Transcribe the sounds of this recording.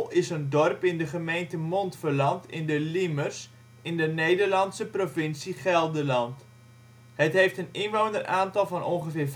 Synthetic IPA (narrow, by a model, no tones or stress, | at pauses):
ɪsəndɔrpɪndəχəmejntəmɔntfərlɑntɪndəlimərs | ɪndənejdərlɑnsəprovɪnsiχɛlˠdəlɑnt | hətɦejftənɪnʋownərʔaːntɑlˠvɑnɔnχəvɪːrv